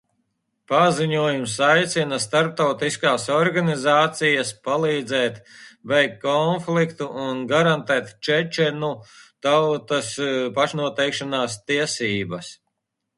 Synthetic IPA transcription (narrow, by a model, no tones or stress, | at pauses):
paziɲuɔjumsajt̪sinast̪aɾp̚t̪awt̪iskaːsɔɾɡanizaːt̪sijɐspalˠiːd̪zɛːt̪bɛjkkːɔnflikt̪uːnɡaɾant̪ɛːt̪t͡ʃɛt͡ʃɛnut̪awt̪aspaʃnuɔt̪ɛjkʃanaːst̪iɛsiːbɐs